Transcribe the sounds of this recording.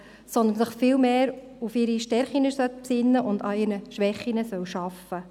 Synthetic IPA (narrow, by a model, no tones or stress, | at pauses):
sɔnd̪ənsəχfɪlmeːɾ | ufɪɾiʃtɛɾχinəsœt̚psɪnːəʔʊnd̪ɑɪɾnəʃʋɛχːinəsœwʃɑfːə